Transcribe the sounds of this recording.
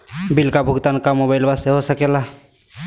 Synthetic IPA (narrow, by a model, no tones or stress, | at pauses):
bilkabʱʊɡt̪ankamobaɪlbast̪eɦosəkela